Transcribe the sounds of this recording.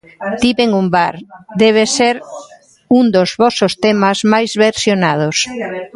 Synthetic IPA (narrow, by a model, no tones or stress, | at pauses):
t̪iβeŋumbaɾd̪ɛβ̞eseɾ | und̪ozβɔsost̪emazmajzβeɾsjonað̞os